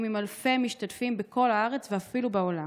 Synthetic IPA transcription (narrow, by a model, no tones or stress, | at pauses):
mimalfe̞miʃtatfimbeko̞laaʁe̞t͡sveafilubeo̞la